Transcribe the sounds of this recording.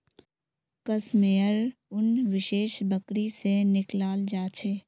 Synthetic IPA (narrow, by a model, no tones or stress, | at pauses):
kəsmeːəɾʊnwɪʃeːʃbəkɾisenɪklaːld͡ʒaːt͡ʃʰeː